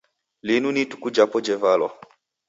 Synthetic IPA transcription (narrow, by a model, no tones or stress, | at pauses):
linunitu̥kud͡ʒapɔd͡ʒɛvalɔ̰